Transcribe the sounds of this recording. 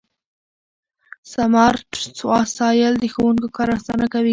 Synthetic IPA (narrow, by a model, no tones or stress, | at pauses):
samɑɾʈsɑsɑjəld̪əxowuŋkokɑɾasɑnakawi